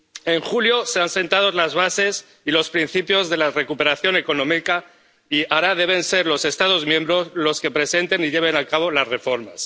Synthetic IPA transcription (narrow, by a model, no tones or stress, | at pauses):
e̞ŋxuljo̞se̞anse̞nt̪að̞o̞zlazβase̞s | ilo̞spɾin̟θipjo̞zðe̞lare̞kupe̞ɾaθjo̞ne̞ko̞nõ̞mika | iaɾaðe̞β̞e̞nse̞ɾlo̞se̞st̪að̞o̞zmje̞mbɾo̞zlo̞ske̞pɾe̞se̞nt̪e̞niʎe̞β̞e̞nakaβ̞o̞lazre̞fo̞ɾmas